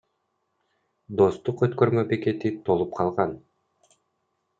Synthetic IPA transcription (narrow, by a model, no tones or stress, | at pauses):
d̪o̞st̪uqøt̪kø̞ɾmøbeke̞t̪it̪ʰo̞lˠup̚qʰɑlˠʁɑn